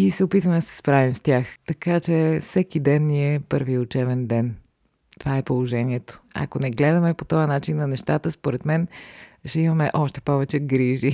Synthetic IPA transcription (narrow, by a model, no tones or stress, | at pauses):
isɛopit̪vəmɛd̪ɐsɛ̥spɾavimst̪ʲjaxt̪ɐkat͡ʃɛfsɛkid̪ɛnːiɛpɤɾviʊt͡ʃɛbɛnd̪ɛn | t̪ovaɛpolˠoʒɛniɛt̪o̥a̰konɛɡlɛd̪ɐmɛpot̪ɔjɐnat͡ʃinːɐnɛʃt̪at̪əspoɾɛt̪mɛnʃt̪ɛimɐmɛʔɔʃt̪ɛ̥pɔvɛt͡ʃɛɡɾiʒi